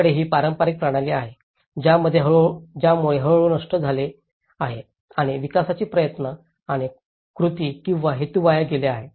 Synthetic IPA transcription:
əɽeɦiːpaɾəmpaɾik̚pɾaɽ̃aleaɦe | d͡ʑjaməd̪ʱːjeɦəɭd͡ʑjamuɭeɦəɭɭonəʂʈəd͡zʱale | aɦe | aɽ̃iʋikasat͡ɕiːpɾəjət̪nə | aɽ̃i | kɾut̪iːkĩw̃ʋaɦet̪uʋajaɡeleaɦe

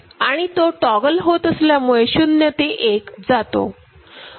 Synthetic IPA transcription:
aɽ̃it̪oʈɔɡəlɦot̪əsljamuɭeɕunjət̪eʔekd͡zat̪o̰

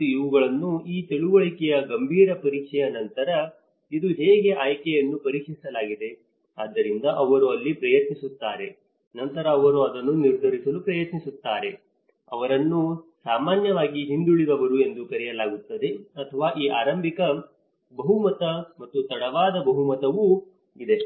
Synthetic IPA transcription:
uiʋɐɡɐɭɐnːuiːt̪eɭuʋɐɭikɛjɐɡɐmbʱiːɾɐpɐɾiːkʂɛjɐnɐnt̪ɐɾɐ | id̪uɦeːɡe̞ʔaːjkɛjɐnːupɐɾiːkʂisɐlaːɡid̪e̞ | aːd̪ːɐɾind̪ɐʔɐʋɐɾuɐlːipɾɐjɐt̪nisut̪ːaːɾe̞ | nɐnt̪ɐɾɐːʋɐɾuɐd̪ɐnːuniɾd̪ʱɐɾisɐlupɾɐjɐt̪nisut̪ːaːɾe̞ | ɐʋɐɾɐnːusaːmaːnjɐʋaːɡiɦind̪uɭid̪ɐʋɐɾue̞nd̪ukɐɾɛjɐlaːɡut̪ːɐd̪e̞ɐt̪ʰɐʋaːʔiːʔaːɾɐmbʱikɐ | bɐɦumɐt̪ɐmɐt̪ːut̪ɐɽɐʋaːd̪ɐbɐɦumɐt̪ɐʋu | id̪e̞

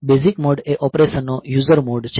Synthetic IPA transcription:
bezikmɔɖeʔɔpɾeʃənːojuzəɾmoɖt͡ʃʰ

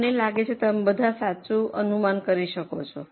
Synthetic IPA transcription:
nelaɡet͡ʃʰet̪əmebəd̪ʱasat͡ʃũʔənumankəɾiʃəkot͡ʃʰɔ

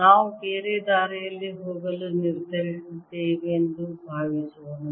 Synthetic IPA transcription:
naːʋukeːɾed̪aːɾɛjɐlːiɦoːɡɐluniɾd̪ʱɐɾisd̪eːʋiend̪ubʱaːʋiːsuʋɐnu

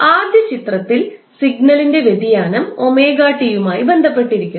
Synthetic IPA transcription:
aːrd̪ʱjɐt͡ɕit̪rɐt̪ːil | siɡnɐlinde̞ʋed̪ijaːnɐmo̞meːɡaːʈːijumaːjibe̞nd̪ʱɐpːe̞ʈːiɾikʲːu

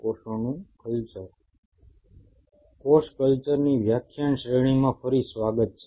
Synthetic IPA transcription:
oʃonũkəlt͡ʃəɾ | koʃkəlt͡ʃəɾniʋjakʰjəɳʃɾeɽ̃imãfəɾisʋaɡət̪̚t͡ʃʰe

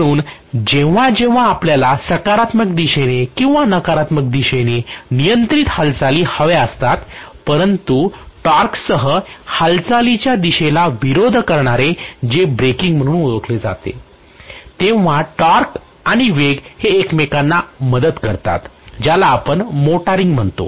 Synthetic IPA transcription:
ɽuːnd͡ʑeʋ̤ad͡ʑẽʋ̤aːpljalasəkaɾat̪məkd̪iɕenekĩw̃ʋanəkaɾat̪mək̚d̪iɕenenijənt̪ɾiːt̪həlt͡saliːhəʋeəst̪at̪ | pəɾənt̪uʈaɾksəɦəhəlt͡salit͡ɕjad̪iɕelaʋiɾod̪ʱkəɾɳaɾed͡ʑebɾekiŋɡm̤əɽ̃ũːnuʋəkʰled͡za̰t̪ḛ | t̪eʋ̤aʈaɾk | aɽ̃iʋeɡheːkmekanːaməd̪əd̪kəɾt̪a̰t̪d͡ʑjalaːpəɳmoʈaɾiŋɡm̤əɳt̪o̰

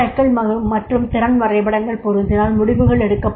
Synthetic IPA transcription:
ɐkːɐɭmɐɣɯmɐʈrɯmt̪ɪɾɐnʋɐrɐɪbɐɽɐŋɡɐɭpɔɾɯnd̪ɪnaːlmʊɽɪʋɯɣɐɭɛɽɯkːɐpː

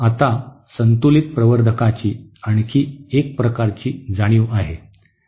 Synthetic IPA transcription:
at̪a | sənt̪ulit̪̚pɾəʋəɾd̪ʱəkat͡ɕiːaɽ̃kʰiːek̚pɾəkaɾt͡ɕiːd͡zaɽ̃iːʋaɦe

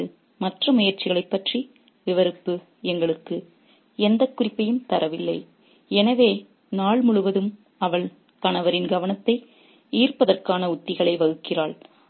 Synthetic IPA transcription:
ɯ | mɐʈrɐmʊjɐɾt͡ʃːɪɣɐɭɐɪpːɐʈri | ʋɪʋɐɾɯpːɯ | ɛŋɡɐɭɯkːɯ | ɛnd̪ɐkːʊrɪpːɐjɯmt̪ɐɾɐʋɪlːɐɪ | ɛnɐʋeː | naːɭmʊɻɯʋɐðɯm | ɐʋɐɭ | t̪ɐnɐʋɐɾɪnɡɐʋɐnɐt̪ːɐɪ | iːrpɐðɐrkaːnɐʊt̪ːɪɣɐɭɐɪʋɐɣɯkːɪraːɭ

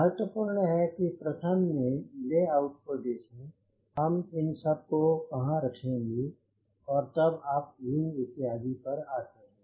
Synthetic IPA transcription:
məɾət̪ʋəpuːɾɳəɦɛkipɾɐt̪ʰəmːẽleaːʊʈ̚kod̪eːkʰẽ | ɦɐmɪnsɐb̚kokɐɦãɾɐkʰẽɡi | ɔːɾt̪ɐbaːp̚ɡɪ̃ŋɪt̪ɪɦaːd̪ipɐɾaːsɐe

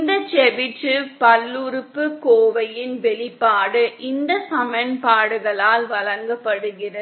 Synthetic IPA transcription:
nd̪ɐt͡ʃɛʋɪʈːɯpɐlːʊɾɯpːɯkoːʋɐjɪnʋɛɭɪpːaːɽɯʔɪnd̪ɐsɐmɐnpaːɽɯɣɐɭaːlʋɐɭɐŋɡɐpːɐɽɯɣɪrɐ

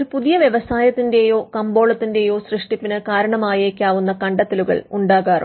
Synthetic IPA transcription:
ɾupuðijɐʋjeʋɐsaːjɐt̪ːinde̞ːjo̞ːkɐmbo̞ːɭɐt̪ːinde̞jo̞ːsrɨʂʈipːinɨkaːɾɐɳɐmaːjeːkʲːaːʋunːɐkɐɳɖɐt̪ːeluɣɐ̰ɭuɳɖaːɣaːr̰

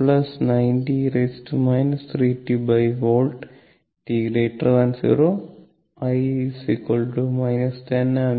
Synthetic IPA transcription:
plɐsnɐjnʈiɾesʈmɐjnɐst̪ʰɾiːʈibɐjʋoːlʈ | ʈiɾeːʈɾʋɐnsḭɾoː | ɐjsikolʈumɐjnɐsʈenɐm

